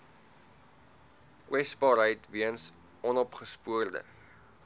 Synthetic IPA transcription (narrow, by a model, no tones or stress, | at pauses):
kwɛsbɑːɾɦəjtviəns | ɔnɔpχəspuərdə̰